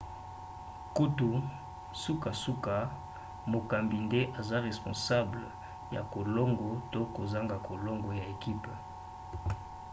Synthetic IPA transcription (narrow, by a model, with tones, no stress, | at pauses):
ku˦tu˨ | su˦ka˨su˦ka˨ | mo˨ka˨mbi˨nde˦ʔa˨za˦ʁe˨spɔ̃˨sa˦blə̰˨ | ja̰˨ko˨lɔ˦ŋɡɔ˨to˦ko˨za˦ŋɡa˨ko˨lɔ˦ŋɡɔ˨ja˨e˨ki˦p